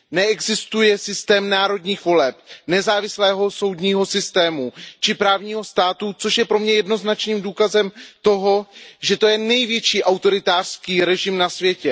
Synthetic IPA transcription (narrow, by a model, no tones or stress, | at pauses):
nɛɛɡzɪst̪ujɛsɪst̪ɛːmnaːɾo̞dɲiːxvo̞lɛpnɛzaːvɪslɛːɦo̞so̞wdɲiːɦo̞sɪst̪ɛːmut͡ʃɪpɾaːvɲiːɦo̞st̪aːt̪ut͡so̞ʃjɛpɾo̞mɲɛjɛdno̞znat͡ʃniːmduːkazɛmt̪o̞ɦo̞ʒɛt̪o̞jɛnɛjvjɛt͡ʃiːʔawt̪o̞ɾɪt̪aːr̥skiːɾɛʒɪmnasvjɛcɛ